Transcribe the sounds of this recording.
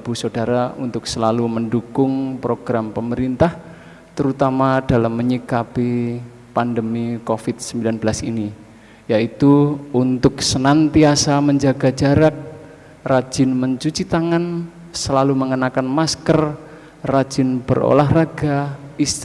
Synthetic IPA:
b̥usodaɾaṵnt̪ʊksəlaluməndukʊŋpɾoɡ̥ɾampəməɾint̪ah | t̪əɾut̪amad̥alamːəɲikapi | pandəmikofit̪̚səmbilanbəlasini | jait̪uunt̪ʊk̚sənant̪iasaməɲd͡ʒaɡad͡ʒaɾak̚ | rḁd͡ʒɪnməɲt͡ʃut͡ʃit̪aŋan | səlaluməŋənakanmaskər | rḁd͡ʒɪnb̥ə̰ro̰laɦraɡais

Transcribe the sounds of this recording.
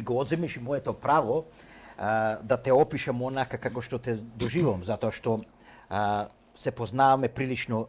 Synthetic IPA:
iɡɔɔd̪zɛmiʃimɔɛt̪ɔpɾavɔ | d̪at̪ɛɔpiʃamɔnakakakɔʃt̪ɔt̪ɛd̪ɔʒivovamzat̪ɔaʃt̪ɔ | sɛpɔznavamɛpɾilit͡ʃnɔ

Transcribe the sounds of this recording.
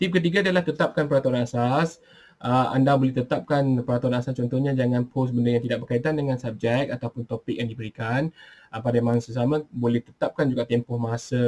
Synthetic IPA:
t̪ip̚kət̪iɡadialaht̪ət̪ap̚kanpəɾat̪uanasas | ʔəa̰ndabolɛht̪ət̪ap̚kanpəɾat̪uanasast͡ʃɔnt̪ɔhɲad͡ʒaŋãnpʰos̬bəndəjaŋt̪idaʔ̚bərkait̪andəŋãnsap̚d͡ʒɛk̚at̪awpʊnt̪opɪk̚jaŋdibəɾikanʔəpadamaŋsəs̬amãbolɛht̪ət̪ap̚kand͡ʒuɡaʔt̪empɔhmasə

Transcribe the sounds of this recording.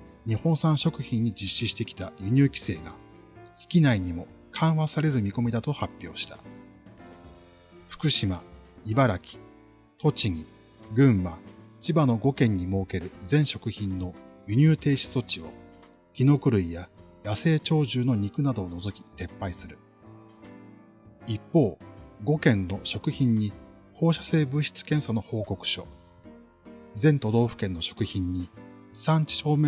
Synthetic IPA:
ɲ̟ihõ̞sãɰ̃ɕo̞kɯ̟çĩɲ̟ːid͡ʑiɕːiɕi̥t̪e̞kʲi̥t̪ajɯ̟ɲ̟ʲɨːkʲi̥se̞ːɡa | sɨ̥kʲinaiɲ̟imo̞ | kʰãɰ̃βasaɾe̞ɾɯ̟mʲiko̞mʲid̪at̪o̞hapʲːjo̞̰ːɕi̥t̪ḁ | ɸɯ̟̥kɯ̟ɕimaibaɾakʲi̥ | t̪o̞t͡ɕiŋ̟i | ɡɯ̟̃ɰ̃βat͡ɕibano̞ɡo̞kẽ̞ɲ̟ːimo̞ːke̞ɾɯ̟d͡zẽ̞ɰ̃ɕo̞kɯ̟çĩnːo̞jɯɲ̟ɨːt̪e̞ːɕi̥so̞t͡ɕio̞̰ | kʲino̞kɯ̟ɾɯ̟ijajase̞ːt͡ɕo̞ːʑɨːno̞ɲ̟ikɯ̟nad̪o̞ːno̞zo̞kʲi̥t̪e̞pːaisɨɾɯ̟ | ipːo̞ːɡo̞kẽ̞nːo̞ɕo̞kɯ̟çĩɲ̟ːi | ho̞ːɕḁse̞ːbɯ̟ɕi̥t͡sɨ̥kẽ̞ɰ̃sano̞ho̞ːko̞kɯ̟̥ɕo̞̰ | d͡zẽ̞nt̪o̞d̪o̞ːɸɯ̟̥kẽ̞nːo̞ɕo̞̥kɯ̟çĩɲ̟ːisãɲ̟t͡ɕi̥ɕo̞ːme

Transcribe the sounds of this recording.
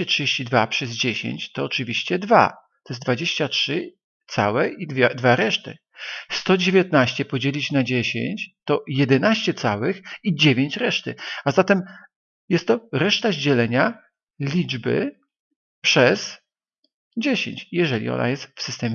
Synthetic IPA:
ɛtʂɨd͡ʑeɕt͡ɕid̪vapʂɛzd͡ʑeɕḛɲt͡ɕt̪ɔːt͡ʂɨvʲiɕt͡ɕɛd̪va̰ | t̪ɔ̥jɛzd̪vad͡ʑeɕt͡ɕatʂɘ | t̪sa̰wɛʔid̪vʲɛd̪vaɾɛʂt̪ɘ̰ | st̪ɔd͡ʑevʲjat̪̚naɕt͡ɕɛpɔd͡ʑelʲit͡ɕnad͡ʑeɕḛɲt͡ɕt̪ɔjɛd̪ɛnaɕt͡ɕɛt̪sa̰wɘxid͡ʑevʲeɲt͡ɕɾɛʂt̪ɘazat̪ɛm | jɛst̪ːɔɾɛʂt̪aʑd͡ʑɛlɛɲa | lʲid͡ʐbɘ̰ | pʂɛz | d͡ʑeɕḛɲt͡ɕjɛʐɛlʲḭɔ̰nʔa̰jɛst̪fsɨst̪ɛmʲ

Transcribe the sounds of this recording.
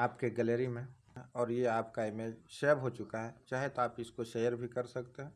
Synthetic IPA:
aːpkeɡɛleːɾimẽ | ɔːɾjeaːpkaɪmeːd͡ʒʃeːbɦot͡ʃʊkaɦɛt͡ʃaːɦet̪oaːpɪskoʃeːjəɾbʱikɐɾsɐkt̪eɦɛ̃ː

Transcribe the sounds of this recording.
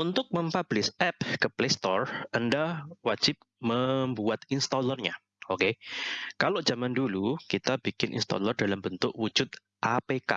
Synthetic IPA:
unt̪ʊk̚məmpab̥lɪsɛp̚kəplest̪ɔrəndahwad͡ʒ̥ɪp̚məmbuat̪inst̪ɔlərɲa | okekalod͡ʒamandulukit̪abikɪnʔḭnst̪ɔ̰lərdalambənt̪ʊʔwu̥d͡ʒʊt̪̚ | ʔapeka̰

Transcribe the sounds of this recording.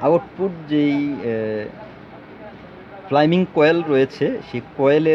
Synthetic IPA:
aoʈpuɾd͡ʑej | flajmiŋkɔjelɾɔjet͡ɕʰeʃekɔjele

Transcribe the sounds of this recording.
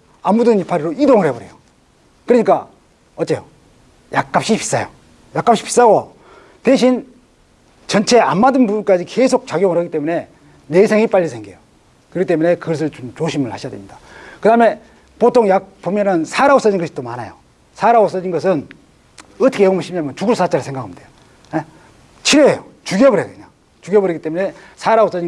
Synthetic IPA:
amudɯnipʰaɾiɾoidoŋɯɾɦe̞bʌɾe̞̰jo | kɯɾʌɲik͈a | ʌt̚t͡ɕ͈ejo | jak̚k͈ap̚ɕ͈ipi̥s͈ajo̰ | jak͈apɕ͈i̥pʰi̥s͈aɡo | teɕʰin | t͡ɕʌnt͡ɕʰe̞a̰mːadɯnbubunk͈ad͡ʑikesʰok̚t͡ɕaɡjoŋɯɭɦaɡit͈emune̞ | nesʰeŋip͈aʎːisʰe̞ŋɡijo | kɯɾɡit͈e̞mune̞kɯɡʌs̬ʰɯɭt͡ɕomt͡ɕoɕʰimɯɭhaɕijadḛmɲid̥akɯdame̞ | potʰoŋjak̚pomjʌnɯnsʰaɾaos͈ʌd͡ʑinɡʌɕʰi̥t͈omana̰jo | sʰaɾaos͈ʌd͡ʑinɡʌs̬ʰɯn | ʌtʰʌ̥kʰejʌɡmbʌɕʰimiamʌnt͡ɕuɡuɭs͈at͡ɕ͈aɾɯɭsʰeŋɡakʰamdejo | e | t͡ɕʰiɾeejot͡ɕuɡjʌbʌɾɦekɯɲaŋ | t͡ɕuɡjʌbʌɾeɡit͈e̞mune̞ | sʰaɾaos͈ʌd͡ʑi

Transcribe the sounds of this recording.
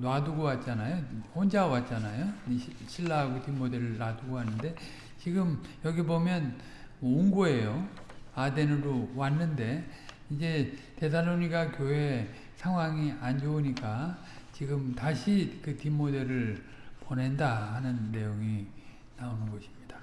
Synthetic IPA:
nwaduɡowat̚t͡ɕ͈anajoond͡ʑawat̚t͡ɕ͈anajoɕʰiɭːaaɡotimːode̞ɾɯɭːaduɡoɦanːɯnde̞ | t͡ɕiɡɯmjʌɡibomjʌn | mʌuŋɡoe̞joade̞nɯɾowanːɯnde̞ | id͡ʑe̞te̞dalːoɲiɡakjoɦe̞ | sʰaŋwaŋiand͡ʑouɲik͈a | t͡ɕiɡɯmtaɕʰikɯtimːode̞ɾɯɭ | pone̞ndaɦanɯnːe̞joŋi | naonɯnɡʌɕʰi̥mɲid̥ḁ

